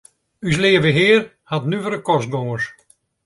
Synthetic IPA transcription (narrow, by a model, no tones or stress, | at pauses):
yslɪːəvəɦɪːər | hatnyvəɾəkɔst̚ɡɔŋəs